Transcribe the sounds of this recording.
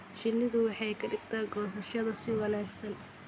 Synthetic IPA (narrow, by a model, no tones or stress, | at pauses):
ʃɪnːɪðʊwɑħɑjkʰɐɖɪɡt̪ʰɛːɡɔːsɐʃɐðɐsɪwɐlɛːɡsɐn